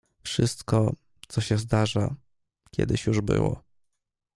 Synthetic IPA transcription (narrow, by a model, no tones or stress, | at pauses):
fʂɘst̪kɔ | t̪sɔɕɛzd̪aʐa | kʲʰɛ̰d̪ɘɕjuʐbɘ̰wɔ̰